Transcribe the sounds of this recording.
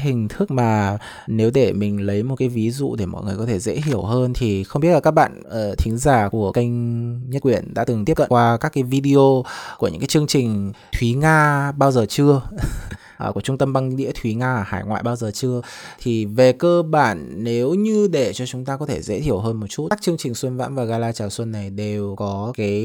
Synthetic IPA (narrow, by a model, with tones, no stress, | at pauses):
ɦï˨˩ŋ̟t̪ʰɨ˦˥k̚maː˨˩ | ne˨˦wɗe˧˩mï˨˩ŋ̟lə˨˦jmo˨˩t̚kaː˨˦jvi˨˦zṵ˧˨ɗe˧˩mɔ̰˧˨jŋɨ˨˩əjkɔ˨˦e˧˩zḛ˧˥t̪ʰi˧˩əwɦəː˧nt̪ʰi˨˩xə˧ŋ͡mɓi˦˥laː˨˩kːa˦˥k̚ɓa̰ː˧˨nə˨˩t̪ʰï˨˦ŋ̟zaː˧˩ku˧˩əkə˧jŋ̟ɲ˦˥kwi˧˩ənɗa̰ː˧˥t̪ɨ˨˩ŋt̪i˦˥ə˩kə̰˧˨kwaː˧kaː˦˥kːaː˨˦jvi˧ɗi˧o˧ku˧˩əɨ̰˧˥kaː˨˦jt͡ɕɨ˧əŋt͡ɕï˨˩ŋ̟t̪ʰwi˨˦ŋaː˧ɓaː˧wzəː˨˩t͡ɕɨ˧ə | ʔku˧˩ə˩t͡ɕʊ˧ŋ͡mt̪ə˧mɓa˧ŋɗḭ˧˥ət̪ʰwi˨˦ŋaː˧˨˩ha̰ː˧˩jŋwa̰ː˧˨jɓaː˧wzəː˨˩t͡ɕɨ˧ət̪ʰi˨˩ve˨˩kəː˧ɓaː˧˩nːe˨˦wɲɨ˧ɗe˧˩t͡ɕɔ˧t͡ɕʊ˨˦ŋ͡mt̪aː˧kɔ˨˦t̪ʰe˧˩zḛ˧˥t̪ʰi˧˩əwɦəː˧nmo˨˩t̚t͡ɕu˦˥˦k̚t͡ɕɨ˧əŋt͡ɕï˨˩ŋ̟swə˧nva̰ː˧˥mvaː˨˩ɣaː˧laː˧t͡ɕaː˨˩wswə˧nːa˨˩jɗe˨˩wkɔ˨˦kaː˨˦j